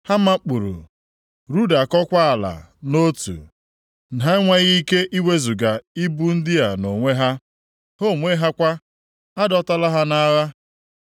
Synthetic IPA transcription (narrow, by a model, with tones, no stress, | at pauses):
ha˦ma˦k͡pu˨ɾṵ˨ | ɾu˦da˨kɔ˦kʷa˦a˨la̰˨ | no˦tṵ˨ | n̩˨ɦa˦ŋʷa˦ɣi˦ke˦ʔi˦we˦zu˨ɡa˨i˦bu˦n̩˦dɪ˦ja˨no˨ŋʷe˦ɦa˦ | ho˦˨ŋʷe˦ɦa˦kʷa˦ | a˦dɔ˦ta˦la˦ɦa˦na˦ɣa˦